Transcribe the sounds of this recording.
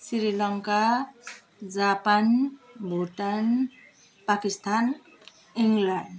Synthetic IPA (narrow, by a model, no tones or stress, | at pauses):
siɾilʌŋka | d͡zapanbʱuʈan | pakist̪ʰan | iŋlaɳɖ